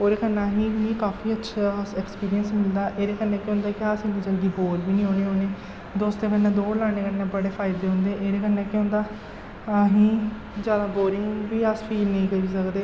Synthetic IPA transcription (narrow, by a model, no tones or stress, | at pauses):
oːɾeːkənːãːɦĩːmĩːkaːfʰiːətːʃʰaːɛːkspiːɾijənsmɪld̪aːʔeːɾeːkənːẽːkõːnd̪aːkɪaːsɪnid͡ʒaːɡiːboːɾbiːnĩːɦõːñeːɦoːneː | d̪oːst̪ẽːkənːẽːd̪oːɾlaːɽ̃eːkənːẽːbəɽeːpʰaːɪd̪eːɦʊ̃nd̪eːʔeːɾeːkənːẽːkõnd̪aː | aɦĩː | d͡ʒaːd̪aːboːɾɪ̃ŋɡbiːəspʰiːlnəĩːkəɾiːsəkd̪eː